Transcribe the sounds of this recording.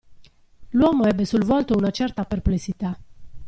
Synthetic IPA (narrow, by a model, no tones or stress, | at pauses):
luɔməebesulvalt̪əunat͡ʃert̪aperpleksit̪a